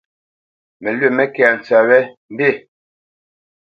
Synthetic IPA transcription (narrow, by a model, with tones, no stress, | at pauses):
mɛ˨lɥe˦˨mɛ˦kɛ˨n˨t͡sa˨wɛ˦m̩˦be˦˨